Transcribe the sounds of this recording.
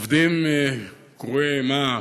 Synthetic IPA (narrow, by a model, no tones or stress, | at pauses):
vd̪im | kʁuema